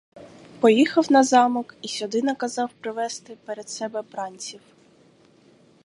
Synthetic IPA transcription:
pɔjixɐwnɐzɑmɔkisʲɔd̪ɪnɐkɐzɑwpɾɪʋɛst̪ɪpeɾed̪sɛbɛbɾɑnʲt͡sʲiw

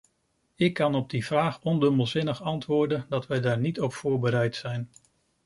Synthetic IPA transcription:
ɪkːɑnɔb̚divraːχɔndɵməlˠzɪnəχɑntʋʊːɹdəndɑtʋɛjdaːɹnitɔpfʊːɹbəɾɛjtsɛjn

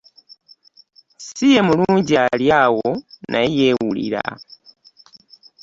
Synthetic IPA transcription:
sijɛmuluɲɟaljawɔnʔaijɛwulḭɾa̰

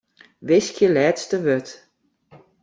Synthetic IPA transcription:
ʋɪskʰjəlɛːtstəʋøt

